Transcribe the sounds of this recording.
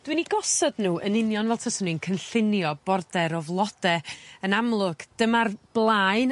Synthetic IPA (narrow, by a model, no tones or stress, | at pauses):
d̥winiɡɔsɔdnuːʔənɪnjɔnvɛlˠtʰəsɔninkʰənɬɪnjɔb̥ɔrdɛɾɔvlˠɔd̥ɛənamlˠʊɡ̥d̥əmarb̥lˠaɨn